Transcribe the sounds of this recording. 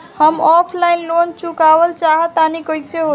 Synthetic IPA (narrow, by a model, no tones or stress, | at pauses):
həmɔpʰlajnlont͡ʃukabəlt͡ʃaɦət̪anikəjseɦo